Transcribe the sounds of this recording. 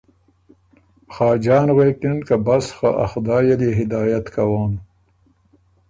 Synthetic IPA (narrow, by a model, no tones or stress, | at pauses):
xɑːd͡ʒɑːnwekinkabasxaʔa̰xd̪ɑːjeleɦɪd̪ɑːjat̪kʰawaːn